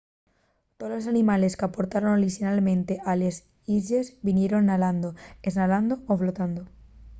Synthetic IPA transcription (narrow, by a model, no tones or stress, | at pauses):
t̪olos̬anĩmale̞skapoɾt̪aɾonoɾisinalmẽnt̪e̞ʔales | iʝezbinje̞ɾonːaland̪oeznaland̪ooflot̪and̪o